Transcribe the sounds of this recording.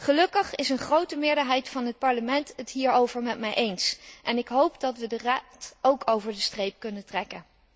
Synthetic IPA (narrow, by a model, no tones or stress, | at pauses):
χəlɵkəχɪsənχrowtəmɪːɹdəɹɦɛjtfɑnɦət̚pɑɹləmɛntətɦiːɹowvəɹmɛtmɛjʔejnsʔɛnɪkɦowpdɑtʋədəraːtowkʰowvəɹdəstrejp̚kɵnətrɛkən